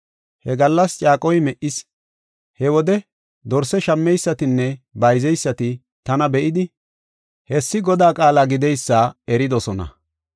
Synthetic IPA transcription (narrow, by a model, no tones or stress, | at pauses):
hɛɡɐlːɐst͡ʃʼaːkʼɔjmɛʔɪs | hɛwɔd̪ɛ | d̪ɔɾsɛʃɐmːɛjsːɐt̪ɪnːɛbɐjzɛjsːɐt̪ɪ | t̪ɐnɐbɛʔɪd̪ɪ | hɛsːɪɡɔd̪aːkʼaːlaːɡɪd̪ɛjsːaːɛɾɪd̪ɔsɔnɐ̰